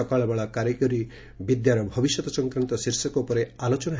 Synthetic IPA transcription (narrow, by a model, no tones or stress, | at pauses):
ɔkaɭɔbaɭakaɾekɔɾi | bid̪jaɾɔbʱɔbisjɔt̪ɔsɔ̃ŋkɾant̪ɔsiɾsɔkɔupɔɾealot͡ʃɔnaɦ